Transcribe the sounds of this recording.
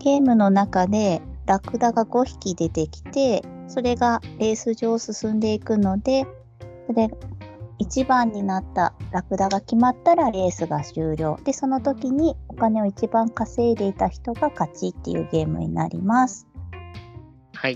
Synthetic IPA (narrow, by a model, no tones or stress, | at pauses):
ɡ̥e̞ːmɯ̟no̞nakad̪e̞ɾakɯ̟d̪aɡaɡo̞çi̥kʲid̪e̞t̪e̞kʲi̥t̪e̞so̞ɾe̞ɡaɾe̞ːsɨʑo̞ːsɨsɨ̃nd̪e̞ikɯ̟no̞d̪e̞ | so̞ɾe̞ | it͡ɕibãɲ̟ːinat̪ːa̰ɾakɯ̟d̪aɡakʲimat̪ːaɾaɾe̞ːsɨɡaɕɨːɾʲo̞ːd̪̥e̞so̞no̞t̪o̞kʲiɲ̟io̞kane̞o̞it͡ɕibãŋkase̞ːd̪e̞it̪açi̥t̪o̞ɡakat͡ɕit̪ːe̞̰jɯ̰ːɡe̞ːmɯ̟̰ɲ̟ḭna̰ɾʲḭmasɨ̥ | ha